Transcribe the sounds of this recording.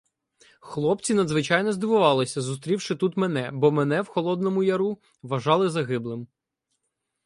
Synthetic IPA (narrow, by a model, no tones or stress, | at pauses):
xlˠɔp̚t͡sʲinɐd̪zʋɪt͡ʃɑjnɔzd̪ɪʋʊʋɑlˠɪsʲɐzʊs̬t̪ɾʲiwʃɪt̪ut̪menɛbɔmɛnɛwxɔlˠɔd̪nɔmʊjɐɾu | ʋɐʒɑlˠɪzɐɦɪblˠɪm